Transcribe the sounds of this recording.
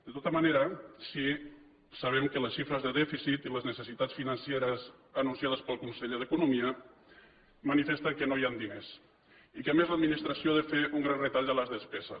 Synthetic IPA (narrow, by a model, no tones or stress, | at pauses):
d̪̥ət̪ot̪əmaneɾəsi | səβ̞ɛmkələsʃifɾəzðəðɛfisit̪iləznəsəsit̪att͡sfinənsjeɾəzənunsijað̞əspəlˠkunsəʎeðəkunumiə | mənifest̪əkənoiand̪ines | ikəmezləd̪̚minist̪ɾəsioðefeuŋɡɾanrət̪aʎələzðəspɛzə̰